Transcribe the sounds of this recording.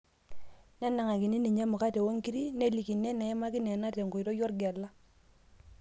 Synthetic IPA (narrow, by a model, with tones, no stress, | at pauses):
na˦na˨ŋa˨ki˨ni˦ni˨ɲa˦mʊ˨ka˦tɛ˨wo˦ŋki˦ɾi˦ne˦˨li˨ki˨nːɛ˦na˨ɛ˦ma˦kɪ˦nɛ˨na˦tɛ˨ŋku˨i˨ɾɔ˦jɔ˦ɾɡa˨lːa˦